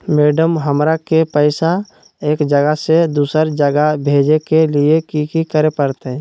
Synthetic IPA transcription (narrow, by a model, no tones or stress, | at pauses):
meːɖəmɦəmɾakepəɪsa | eːkd͡ʒəɡəsed̪uːsəɾd͡ʒəɡabʱeːd͡ʒekeliekikikəɾepəɾt̪eɦɛ̃